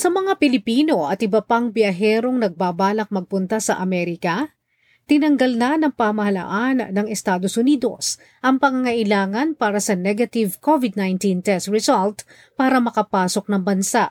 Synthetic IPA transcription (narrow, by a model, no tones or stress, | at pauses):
sɐmɐŋapɪlɪpiːno̞ʔɐt̪ʔɪbɐpaŋbjɐɦɛːɾo̞ŋnɐɡ̚baːbaːlɐk̚mɐɡ̚pʊnt̪asɐ̰ʔɐmɛɾɪkɐ | t̪ɪnɐŋɡɐlnɐnɐŋpɐmɐhɐlɐ̰ʔanːɐŋɛst̪aːd̪osʊniːd̪o̞̰s | ʔɐŋpɐŋaŋɐʔɪlaːŋɐnpaːɾɐsɐnɛɡɐt̪ɪvkovɪd̪̚najnt̪int̪ɛst̪ɹɛsalt̪ | paːɾɐmɐkɐpaːso̞k̚nɐŋbɐnsaʔ